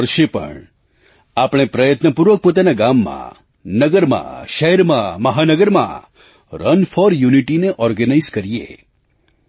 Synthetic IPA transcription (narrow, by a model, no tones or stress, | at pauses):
əɾʃepə̰ɳ | apɽ̃epɾəjət̪nəpuɾʋək̚pot̪anaɡamːã̰ | nəɡəɾmã̰ʃəɦɛɾmãməɦanəɡəɾmã̰ | ɾənfɔɾjuniʈineʔɔɾɡənaizkəɾiḛ